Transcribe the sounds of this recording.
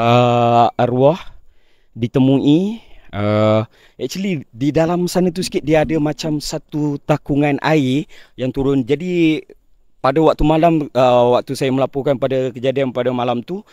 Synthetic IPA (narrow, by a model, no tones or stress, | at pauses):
əəɾuɔh | dit̪əmuʔiə | ɛʔt͡ʃəlididalamsanat̪̬usə̥kɪt̪̚diaːdəmat͡ʃamsat̪ut̪akuŋanʔaijaŋt̪uɾʊnd͡ʒadi | padawak̚t̪umalaməwak̚t̪usajaməlapukanpadakəd͡ʒadianpadamalamt̪u